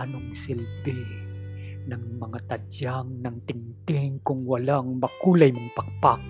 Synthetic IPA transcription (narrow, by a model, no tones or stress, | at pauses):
nʊŋsɪlbɪ | naŋmɐŋat̪ad͡ʒaŋnaŋt̪ɪŋt̪ɪŋkʊŋwalaŋmakulajmaŋpak̚pak